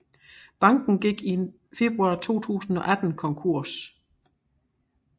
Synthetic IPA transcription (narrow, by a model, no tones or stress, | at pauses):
b̥ɑ̈ŋ̰ɡ̥n̩ɡ̥iɡ̥in | fe̝b̥ʁuɑ̈ːt͡sʰo̝̰ːt͡sʰṵːsn̩ɒ̽ʔæd̥n̩kʰɒ̽ŋkʰuɐ̰s